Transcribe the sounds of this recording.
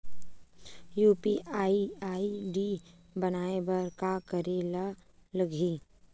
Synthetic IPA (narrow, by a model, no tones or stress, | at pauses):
juːpiʔaːiaːiɖi | bɐnaːebɐɾkakəɾeːlaləɡʱiː